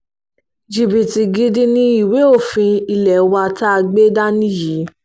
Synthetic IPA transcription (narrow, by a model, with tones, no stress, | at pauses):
d͡ʒi˨bi˨ti˧ɡi˧di˦nĩ˦i˦˨we˨˦o˦˨fĩ˧i˧lɛ˨˦wa˧ta˦a˧ɡ͡be˦da˦nĩ˦ji˨˦